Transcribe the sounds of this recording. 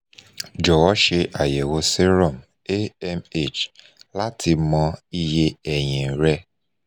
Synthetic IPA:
d͡ʒɔ˨wɔ˦ʃe˧ʔa˨je˨wo˧se˦ɾɔ˦˨m | e˦ɛ˦me˦˨t͡ʃ | la˦tʰi˧mɔ̃˧i˧je˧ɛ˨j̃ɛ̃˨ɾɛ˧˦

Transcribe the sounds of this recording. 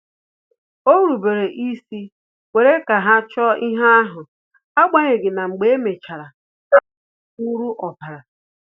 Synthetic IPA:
o˦ɾu˨be˨ɾe˨ʔi˦si˦ | wʷe˨ɾe˦ka˨ɦa˦t͡ʃɔ˦i˦ɦa˦a˦ɦʊ˨ | a˦ɡ͡ba˦ɲe˨ɡɪ˨na˨ŋ͡m̩˨ɡ͡be˨˦e˦me˨t͡ʃa˨ɾa˨ | ka˦˨u˦ɾu˦ʔɔ˨pa˨ɾa˨

